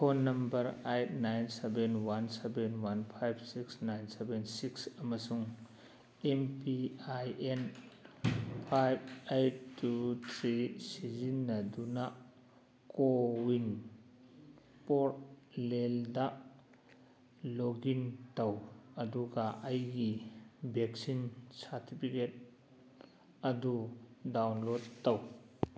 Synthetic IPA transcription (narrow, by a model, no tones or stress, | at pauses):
kʰonːɐmbɐɾejt̚najnsebenwansebenwanpʰajbsiksnajnsebensiksɐmɐsuŋ | empiajen | pʰajb̚ejt̚tːut̪ʰɾisizinːɐduna | kowin | pɔɾt̚leldaʔ | loɡintɐwɐduɡaʔɐjɡibek̚sinsaɾtipʰiket̚ | ɐdudawnlodtːɐw